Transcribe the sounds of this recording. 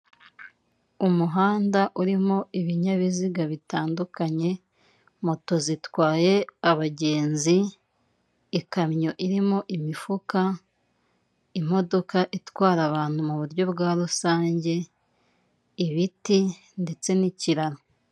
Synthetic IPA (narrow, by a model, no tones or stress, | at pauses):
umuɦaːndaʔuɾimo̞iβiɲaβiziɡaβitaːndukaɲe̞ | mo̞to̞zitwaːje̞aβaɟe̞ːnzi | kamɲo̞ʔiɾimo̞ʔimifuka | im̥o̞do̞kaʔitwaːɾaβaːn̥humuβuɾɟo̞bɡaːɾusaːɲɟe̞ | iβiti | nde̞t͡se̞niciɾaɾo